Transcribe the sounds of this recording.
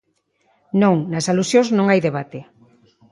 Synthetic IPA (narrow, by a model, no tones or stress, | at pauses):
nõŋnɐsalusjõznõŋajðeβ̞at̪e